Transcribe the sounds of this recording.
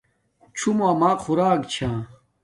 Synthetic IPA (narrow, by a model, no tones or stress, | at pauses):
t͡ɕʰumamaːxʰuɾaːkt͡ɕʰãː